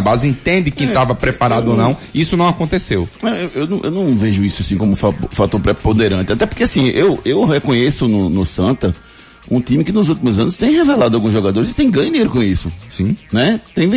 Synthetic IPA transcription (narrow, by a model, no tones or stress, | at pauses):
bazɪĩnt̪ẽnd̪ɪkẽt̪avɐpɾɛpaɾad̪ʊonɐ̃w̃isʊnɐ̃w̃akõnt̪esewnɐ̃ewʔewnɐ̃w̃ʔewnɐ̃w̃veʒʊisʊasĩkõmʊfaofat̪oɾpɾɛpõd̪eɾɐ̃nt̪ɪat̪ɛpʊɾkeasĩʔewewhekõɲesʊnʊnʊsɐ̃nt̪ɐ | ũt̪ĩmɪkɪnʊzuwt̪imʊzɐ̃nʊst̪ẽj̃hevelad̪ʊawɡũzʒɔɡad̪oɾɪzɪt̪ẽj̃ɡɐ̃ɲ̃ʊd̪iɲeɾʊkõisʊsĩnɛt̪ẽj̃ṽ